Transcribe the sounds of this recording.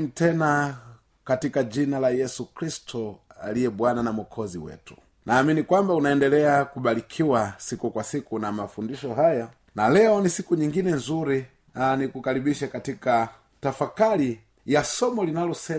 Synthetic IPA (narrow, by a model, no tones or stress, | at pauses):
mitɛna | katikaʄinalajɛsukɾistɔa̰lijɛɓwananamwɔkʰɔziwɛ̰tu̥ | naːminikwambaunaɛndɛlɛakuɓalikʰiwasikukwasikunamafundiʃɔɦaja | nalɛɔnisikuɲiŋɡinɛnzuɾi | nanikukaɾiɓiʃakatika | tafakali | jasɔmɔlinalɔsɛ